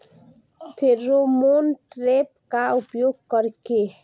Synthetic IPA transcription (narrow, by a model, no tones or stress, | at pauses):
pʰɪɾːomoːnʈɾeːp̚kaʊpjoːɡ̚kəɾke